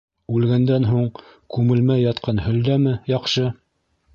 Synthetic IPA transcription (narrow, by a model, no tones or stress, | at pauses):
ʉlɡænd̪ænɦuɴkʉmɘ̆lmæjːɑt̪qʰɑnhɵ̆ld̪æmɘjɑqʃɤ